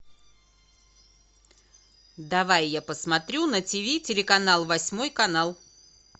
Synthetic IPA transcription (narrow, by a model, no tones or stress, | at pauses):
d̪ɐvajːapəsmɐt̪ɾʲunətʲɪvʲitʲɪlʲɪkɐnalˠvɐsʲmojkɐnalˠ